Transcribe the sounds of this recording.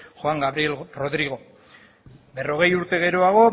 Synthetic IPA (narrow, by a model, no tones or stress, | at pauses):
xoaŋɡaβɾielro̞ðɾiɣ̞o̞ | be̞ro̞ɣ̞e̞juɾt̪e̞ɣe̞ɾoaɣ̞o̞